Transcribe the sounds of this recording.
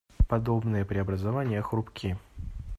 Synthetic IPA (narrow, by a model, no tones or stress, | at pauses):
pɐd̪o̞bnɨjəpɾʲɪɐbɾəzɐvanʲɪjəxɾʊpkʲʰi